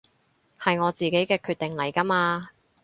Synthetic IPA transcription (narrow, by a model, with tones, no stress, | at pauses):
hɐ˨jŋɔː˨˧t͡siː˨ke˨˥jkɛː˧kʰyː˧t̪̚ɪ˨ŋlɐ˨˩jkɐ˥maː˧